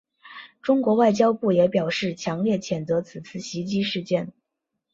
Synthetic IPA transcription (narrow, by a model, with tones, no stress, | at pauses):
ʈ͡ʂʊ˥ŋkwɔ˧˥wa˥˩ɪt͡ɕjɑ˥ʊpu˥˩jɛ˨˧˥pjɑ˨˩ʊʂɻ̩˥˩t͡ɕʰjɑ˧˥ŋljɛ˥˩t͡ɕʰjɛ˨˩nt͡sɤ˧˥t͡sʰɹ̩˨˩t͡sʰɹ̩˥˩ɕi˧˥t͡ɕi˥ʂɻ̩˥˧t͡ɕjɛ˥˩n